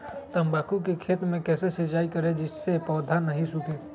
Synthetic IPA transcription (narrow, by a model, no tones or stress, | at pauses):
t̪əmbaːkukekʰeːt̪mẽkɛːsesət͡ʃaːikəɾed͡ʒɪsːepɔːd̪ʱanɐɦĩsʊkeː